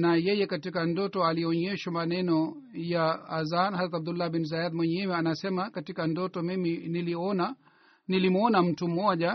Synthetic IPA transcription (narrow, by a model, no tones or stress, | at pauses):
najɛjɛkatikandɔtɔaliɔɲɛʃamanɛnɔ | jaːzanazɾat̪ab̚d̪ulːabinzajad̪mwɛɲɛwɛanasɛmakatikandɔtɔmiminiliɔna | nilimɔnam̩tum̩ɔʄa